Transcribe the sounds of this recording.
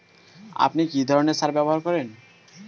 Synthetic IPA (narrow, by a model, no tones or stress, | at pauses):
a̰pnikid̪ʱɔɾoneɾsaɾbɛboɦaɾkɔɾen